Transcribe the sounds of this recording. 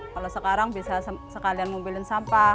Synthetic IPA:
kalosəkaɾaŋbisasəkalianmobilɪnsampa

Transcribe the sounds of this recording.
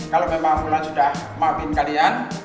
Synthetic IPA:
kalomemaŋmulansudahmapɪnkalian

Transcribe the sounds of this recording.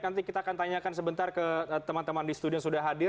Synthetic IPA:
nant̪ikit̪aːkant̪aɲakansəbənt̪arkət̪əmant̪əmandisə̥t̪udijaŋsudahɦadɪr

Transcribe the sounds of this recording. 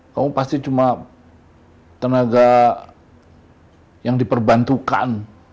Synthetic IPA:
kamupast̪it͡ʃuma | t̪ənaɡa | jaŋdipərbant̪uka̰n

